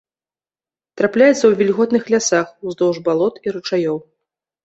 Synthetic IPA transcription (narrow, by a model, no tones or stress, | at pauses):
t̪ɾaplʲajɛt̪sɐwvʲilʲɣɔt̪nɨxlʲasaxuzd̪ɔwʐbalˠɔt̪iɾɨt͡ʂajɔw